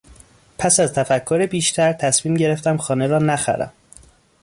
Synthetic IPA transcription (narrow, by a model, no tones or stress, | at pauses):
pʰæsæzt̪ʰæfækʰːoɾebiːʃt̪ʰæɾt̪ʰæsmiːmɟe̞ɾe̞ft̪æmxɒːneɾɒːnæxæ̰ɾæ̰m